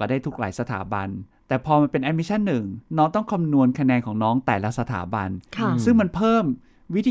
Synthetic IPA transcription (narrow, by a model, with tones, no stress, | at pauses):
a˧˩daː˥˩jt̪ʰu˦˥k̚laː˩˦jsa˧t̪ʰa̰ː˩˦ba̰˧n | t̪ɛː˨˩pʰɔː˧ma˧pe˧nʔɛː˧˥miː˧t͡ɕʰa˥˩nːɯ˨˩ŋnɔː˦˥ŋt̪ɔ˥˩ŋkʰa˧mnu˧ənkʰa˧nɛː˧nkʰɔː˩˦ŋnɔː˦˥ŋt̪ɛː˨˩la˦˥sa˧t̪ʰa̰ː˩˦ba̰˧nkʰsɯ˥˩ŋma˧npʰɤː˥˩m | wi˦˥t̪ʰiː˧